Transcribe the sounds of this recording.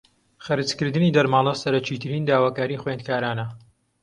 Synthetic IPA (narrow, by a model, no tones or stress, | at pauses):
χɐɾɨt͡skɨɾd̪ɨniːd̪ɐɾmaːlˠɐsɐɾɐt͡ʃiːt̪ʰɨɾiːnd̪aːwaːkaːɾiːxwend̪̚kaːɾaːnɐ